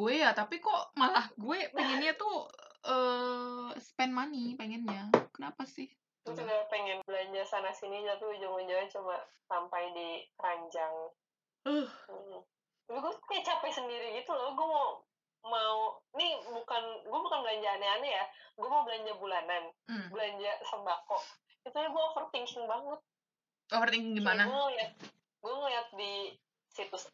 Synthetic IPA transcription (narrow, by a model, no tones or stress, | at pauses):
ɡuejat̪apikɔʔmalahɡuepeŋɛnɲat̪uəː | sə̥pɛnmanipeŋɛnɲakənapasɪh | ut̪uɡapɛŋɛnbəlaɲd͡ʒasanasiniɲt̪apiɡud͡ʒaŋmaɲd͡ʒalat͡ʃumasampajdiəɾaɲd͡ʒaŋ | əh̩ | d͡ʒabiɡuaɲat͡ʃapajsəndiɾiɡit̪ulalɡuamau | maunibukanɡuabukanbəlaɲd͡ʒaːnaanajaɡuamaubəlaɲd͡ʒabulananbəlaɲd͡ʒasəmbakɔʔ | ɡit̪ulaɡuaofərt̪iŋkɪŋbaŋʊt̪̚ | ɔfərt̪iŋkɪŋɡimanaaŋəljat̚ | ɡuaŋəliat̪̚di | sit̪ʊs